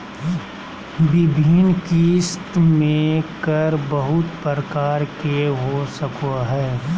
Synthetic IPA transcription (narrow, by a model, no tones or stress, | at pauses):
bɪbʱiːnkist̪mẽkəɾbəɦʊt̪pɾəkaːɾkeɦosəkoɦɛː